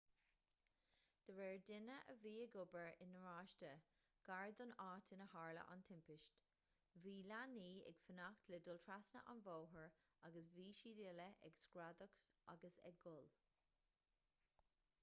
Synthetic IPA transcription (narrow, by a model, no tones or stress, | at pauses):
d̪̥əɹɛːɹdɪnəʔəviːəɡʊbəɹɪnəɹaːʃtə | ɡ̥aɹd̪ʊnaːtʰɪnəhaːɹlə̰ʔa̰nt̪ʰɪmpɪʃt | viːlaniːɛ̰ɡ̥fənakt̪ʰlɪd̪ʊltʰɹasnə̰ʔa̰nvoːɦəɹ | aɡəsviːʃidɪləʔɛ̰ɡskɹad̪əka̰ɡəsɛ̰ɡʊl